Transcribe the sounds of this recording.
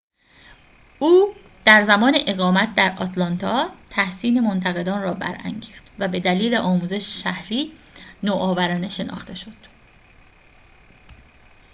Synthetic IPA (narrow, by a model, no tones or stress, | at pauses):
ʔuː | d̪̥æɾzæmɒːneʔeɣɒːmæt̪̚d̪æɾɒt̪ʰlɒnt̪ʰɒːt̪ʰæhsiːne̞mont̪ʰæɣe̞d̪ɒːnrɒːbæ̰ɾæ̰ŋɟiːxt̪væbe̞d̪æliːleʔɒːmuːze̞ʃe̥ʃæhɾiːnoːʔɒːvæɾɒːne̞ʃe̞nɒ̰ːxt̪e̞ʃo̞d̪̥